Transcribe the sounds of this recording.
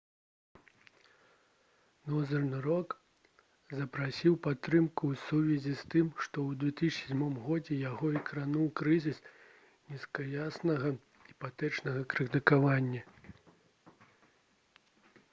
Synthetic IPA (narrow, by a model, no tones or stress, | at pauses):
nɔzɐrnɨɾɔk | zɐpɾasʲiwpat̪ːɾɨmkusuvʲɛzʲist̪ɨmʂt̪ɔwd̪vʲɛt̪ɨsʲsʲɛd͡zʲmɔmɣɔd͡zʲɛjaɣɔikɾanuwkɾɨzʲis | nʲiskɐjasnɐɣɐ | ipat̪ɛt͡ʂnɐɣɐkɾɨt̪ɨkavanʲːɐ